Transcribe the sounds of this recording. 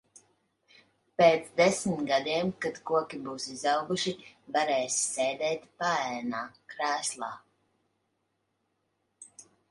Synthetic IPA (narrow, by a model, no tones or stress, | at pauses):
peːt̪sd̪esmit̪ɡad̪iɛmkat̪kuɔkʲibuːsizawɡuʃivaɾɛːssɛjd̪ɛːt̪paæːnaːkɾæːslˠaː